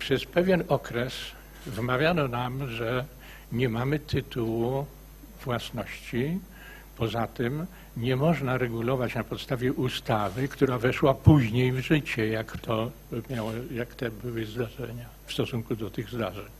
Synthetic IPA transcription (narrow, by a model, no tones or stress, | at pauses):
pʂɛspɛvʲjɛnɔkɾɛs | vmavʲjanɔnamʐɛ | ɲɛmamɘt̪ʰɨt̪uwu | vwasnɔɕt͡ɕi | pɔzat̪ɘm | ɲɛmɔʐnaɾɛɡulɔvat͡ɕnapɔt̪st̪avʲjɛʔust̪avɘkt̪uɾavɛʂwapuʑɲejvʐɘt͡ɕɛjakt̪ɔ | mʲjawjakt̪ɛbɘwɘzd̪aʐɛɲa | fst̪ɔsuŋkud̪ɔt̪ɘɣzd̪aʐɛɲ